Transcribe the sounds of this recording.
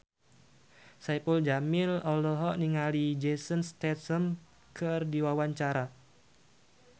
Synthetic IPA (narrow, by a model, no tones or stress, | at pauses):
sajpuld͡ʒamilɔlɔɦɔʔniŋalid͡ʒesənst̪ɛt̪səm | kʰɨrdiwawaɲt͡ʃaɾa